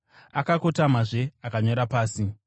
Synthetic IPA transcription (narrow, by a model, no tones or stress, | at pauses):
akako̞tam̤aʐe̞akaɲo̞ɾapaːsi